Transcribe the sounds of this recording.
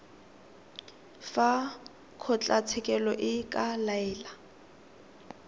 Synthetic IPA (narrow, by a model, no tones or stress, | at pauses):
fa | kʰɔt͡ɬʼat͡sʰɛkʼɛlɔʔɪkʼalaɛːla